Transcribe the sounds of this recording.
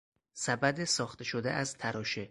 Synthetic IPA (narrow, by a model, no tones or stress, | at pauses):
sæbæd̪esɒːxt̪eʃod̪ḛʔæzt̪ʰæɾɒːʃe